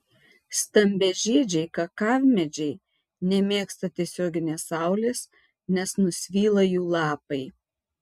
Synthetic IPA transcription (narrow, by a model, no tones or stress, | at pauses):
st̪ɐmʲbʲɛʒʲeːd͡ʒʲɛɪkɐkɑʋʲmʲɛd͡ʒʲɛɪ | nʲɛmʲeːkst̪ɐt̪ʲiɛsʲoːɡʲɪnʲeːsɑˑʊlʲeːs | nʲɛsnʊsʲʋʲiːlˠɐjuːlˠɑːpɐɪ